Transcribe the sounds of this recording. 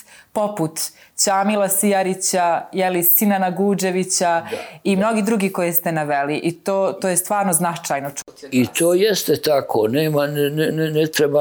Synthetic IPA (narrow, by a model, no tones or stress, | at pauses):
po̞put̪t͡ɕaːmilasijaɾit͡ɕajɛlisinanaɡuːd͡ʒe̞ʋit͡ɕaimno̞ɡid̪ɾuɡiko̞jest̪enaʋeliʔit̪oːt̪oːjest̪ʋaːɾnoznat͡ʂajnot͡ʃ̪ | it̪ʰoːjest̪et̪akʰoneːmannnɛt̪ɾeba